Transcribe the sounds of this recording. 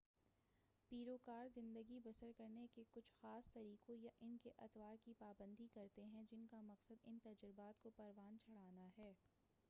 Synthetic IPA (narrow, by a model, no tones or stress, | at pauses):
piːɾokaːɾzɪ̃nd̪əɡibɐsəɾkɐɾnekekʊt͡ʃʰxaːst̪ɐɾiːqõjaʔɪnkeʔɐt̪waːɾkipaːbə̃nd̪ʱikɐɾt̪eɦɛ̃d͡ʒɪnkamɐqsəd̪ɪnt̪ɐd͡ʒɾɪbaːt̪kopɐɾʋaːnt͡ʃʰɐɽ̤aːnaɦɛː